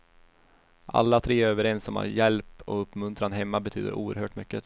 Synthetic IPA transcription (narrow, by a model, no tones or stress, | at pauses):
ʔa̰lːat̪ʰɾeːøːvəɾɛnsːɔmha̰ɾjɛlpɔɵpːmɵnt̪ɾanɦɛmːabɛt̪ʰy̰ːd̪ə̰ɾʔṵːəɾhøːʈmʏkːə